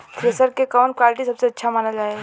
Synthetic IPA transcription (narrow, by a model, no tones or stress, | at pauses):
kʰɾesəɾkekəʋənkwalʈisəbseətːʃʰamanəd͡ʒae